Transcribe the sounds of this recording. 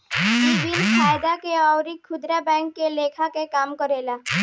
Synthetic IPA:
ibinfʰaːjd̪akeɔːʊɾikʰːʊd̪ɾabɛ̃ːŋkːeleːkʰakekaːmkəɾeːla

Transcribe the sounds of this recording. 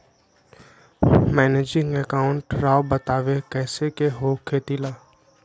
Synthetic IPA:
mɛːneːd͡ʒɪ̃ŋɡɛkaːʊ̃ɳʈɾaːbət̪aːʋekɛːsekeɦoːkʰeːt̪ilaː

